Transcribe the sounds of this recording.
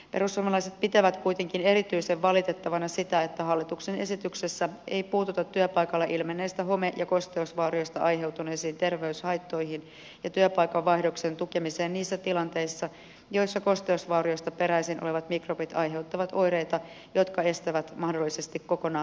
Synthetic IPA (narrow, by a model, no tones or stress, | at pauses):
pe̞ɾusːumɑlɑijset̪̚pit̪æʋæt̪kujt̪e̞ŋkine̞ɾit̪yiseʋːɑlit̪et̪ːɑʋɑnɑsit̪æet̪ːæhɑlːit̪uksene̞sit̪yksesːæḛjpuːt̪ut̪ɑt̪tːyøpɑikɑlːɑʔilmenːeːst̪æɦo̞meʔjɑko̞st̪e̞usʋɑːrioist̪ɑʔɑjɦe̞wt̪uneːsiːnt̪e̞rʋeyshɑjt̪ːo̞jhin | jɑt̪yøpɑjkɑʋːɑihdo̞ksent̪ukemiseːnniːsːæt̪ilɑnt̪e̞isːɑ | jo̞isːɑko̞st̪eusʋɑːɾioist̪ɑpe̞ɾæisinʔoleʋɑt̪mikropit̪ɑjɦe̞wt̪ːɑʋɑt̪o̞jɾe̞jt̪ɑ | jo̞t̪kɑe̞st̪æʋæt̪mɑhdolːisest̪ikko̞ko̞nɑː